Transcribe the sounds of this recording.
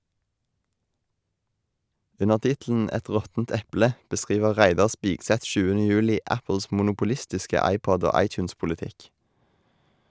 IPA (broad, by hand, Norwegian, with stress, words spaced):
ˈʉnəʁ ˈtɪtl̩n̩ ˈɛt ˈʁɔtn̩t ˈɛplə bəˈskʁiːʋə ˈʁæɪdɑʁ ˈspɪɡsɛt ˈʃʉːənə ˈjʉːlɪ ˈæpl̩s mʊnʊpʊˈlɪstɪskə ˈɑɪˌpɔd ˈoː ˈɑɪˌtjʉːnspʊlɪˌtɪk